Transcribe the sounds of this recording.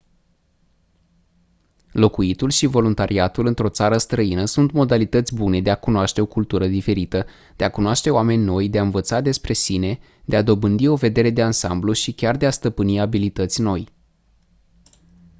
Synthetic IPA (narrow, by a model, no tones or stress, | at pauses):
lo̞kuit̪ulʃivo̞lunt̪aɾʔiat̪ulɨnt̪ɾo̞t̪saɾəst̪ɾəinəsunt̪mo̞d̪alit̪ət̪sʲbune̞d̪eakunoaʃt̪e̞o̞kult̪uɾəd̪ife̞ɾit̪ə | d̪̥eakunoaʃt̪e̞oame̞nʲno̞jd̪e̞aɨnvət̪sad̪e̞spɾe̞sine̞ | d̪̥e̞ad̪o̞bɨnd̪io̞ve̞d̪e̞ɾe̞d̪e̞ansambluʃikʲard̪e̞ast̪əpɨniabilit̪ət̪sʲno̞j